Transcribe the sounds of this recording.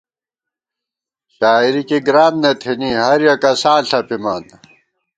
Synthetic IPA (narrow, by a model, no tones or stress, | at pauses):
ɕaːiɾikiɡɾaːnnet̪ʰiniɦɐɾjɐkɐsaːɬɐpiman